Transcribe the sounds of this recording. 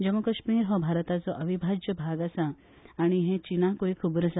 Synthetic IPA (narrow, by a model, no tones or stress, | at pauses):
d͡ʒɐmukɐʃmiːɾɦɔbʱaːɾət̪at͡sɔʔɐʋibʱad͡ʒjəbʱaːɡasa | aɽ̃iɦẽt͡ʃinakoːikʰubɾəsa